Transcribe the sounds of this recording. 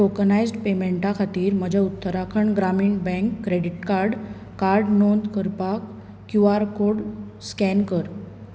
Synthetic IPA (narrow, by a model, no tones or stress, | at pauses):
okənajzɖpemeɳʈakʰat̪iːɾm̤əd͡ʑʱaut̪ːəɾakʰəɳɡɾamiɳbɛ̃ŋkːɾeɽiʈkaɾɖ | kaɾɖnond̪kəɾpakː | juaɾkoɽ | skɛnkəɾ